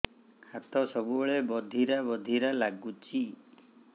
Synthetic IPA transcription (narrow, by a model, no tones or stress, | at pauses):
hat̪ɔsɔbubɔɭebɔd̪ʱiɾabɔd̪ʱiɾalaɡut͡ʃʰi